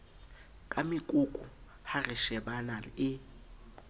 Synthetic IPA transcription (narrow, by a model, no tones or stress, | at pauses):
kʼamɪkʼukʼʊ | harɪʃɛbanalɪɪ